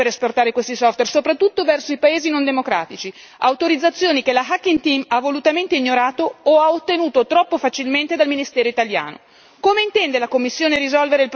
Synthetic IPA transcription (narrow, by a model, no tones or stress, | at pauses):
eɾesport̪aːɾekwest̪isɔft̪wersopɾat̪ːut̪ːovɛrsoipaeːzinond̪emokɾa̰ːt̪it͡ʃi | awt̪oɾid̪zːat̪sːjoːnikelaɦakːint̪imavːolut̪ament̪eiɲːoɾaːt̪oːaot̪ːenuːt̪ot̪ɾɔpːofat͡ʃilment̪ed̪alminist̪ɛːɾoit̪alja̰ːno̰ | komeint̪ɛnd̪elakomːisːjoːneɾizɔlveɾeilp